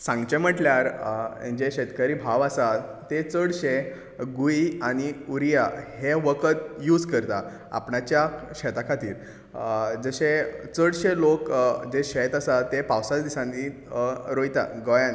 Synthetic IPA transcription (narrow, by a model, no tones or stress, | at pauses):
sãŋɡt͡ɕem̤əʈljaɾ̰d͡ʑeɕet̪kəɾiːbʱaʋasat̪ːet͡səɽɕe | ɡuiañiuɾijaheʋəkət̪juːd͡zkəɾt̪a | a̰pɳat͡ɕjaɕɛt̪akʰat̪ḭːɾ | d͡zəɕet͡səɽɕelokd͡ʑeɕɛt̪asat̪ːepawsad̪isãnd̪i | ɾojt̪a̰ɡɔjãn